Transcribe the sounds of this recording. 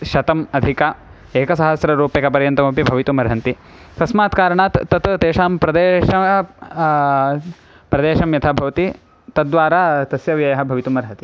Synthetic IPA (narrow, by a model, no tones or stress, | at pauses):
ʃɐt̪ɐmɐd̪ʱika | eːkɐsɐɦɐsɾɐɾuːpeːkɐpɐɾjɐnt̪ɐmɐpibʱɐʋit̪umɐɾɦɐnt̪i | k̪ɐsmaːt̪kaːɾɐɳaːt̪ːɐt̪t̪eːʃaːmpɾɐd̪eːʃɐ | pɾɐd̪eːʃɐmjɐt̪ʰaːbʱɐʋɐt̪i | t̪ɐʋaːɾaːt̪ɐsjɐʋjɐjɐɦɐ̆bʱɐʋit̪umɐɾɦɐt̪i̥